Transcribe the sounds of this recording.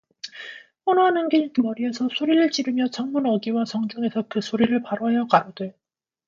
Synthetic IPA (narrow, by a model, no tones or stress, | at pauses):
pʌnʌɦanɯnɡetmʌɾiesʰʌsʰoɾiɾɯɭt͡ɕiɾɯmjʌt͡ɕʌŋmunʌɡiwasʌŋd͡ʑuŋe̞sʰʌkɯsʰoɾiɾɯɭpaɾʌɦejʌkaɾode